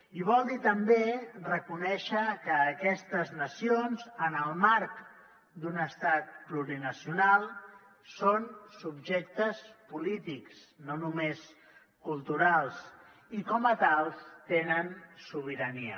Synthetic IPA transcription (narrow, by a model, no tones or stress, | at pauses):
iβ̞ɔlˠd̪it̪əmberəkunɛʃəkəːkɛst̪əznəsionzənəlˠmaɾk | d̪unəst̪at̪̚pluɾinəsiunalˠ | sonsubʒek̚t̪əspulit̪iks | nonumes | kulˠt̪uɾalˠs | ikɔmət̪alˠst̪enənsuβ̞iɾəniə̰